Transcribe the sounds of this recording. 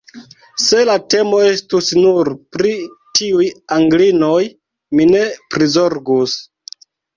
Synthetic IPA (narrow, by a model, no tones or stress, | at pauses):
se̞late̞mo̞e̞stusnuɾpɾi | tiujaŋɡlinoj | mine̞pɾizo̞ɾɡus